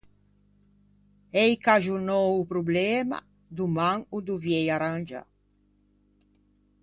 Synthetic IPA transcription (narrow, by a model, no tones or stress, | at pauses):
ejkaʒunɔwupɾublɛːma̰ | d̪umaŋud̪uvjɛjaɾand͡ʒa̰